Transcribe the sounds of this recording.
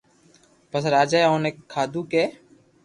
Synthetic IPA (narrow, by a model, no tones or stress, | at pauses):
pəsɾaːd͡ʒaːjoneːkʰːaːd̪uːkeː